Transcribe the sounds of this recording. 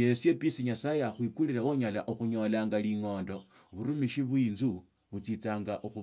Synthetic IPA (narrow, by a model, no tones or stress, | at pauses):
esje̞pisiɲasajaxwikuliɾaoɲalaʔuxuɲo̞laːŋɡaliŋo̞ːndo̞ | βuɾumiʃiβuiːnzu | βut͡sit͡saːŋɡaʔuxu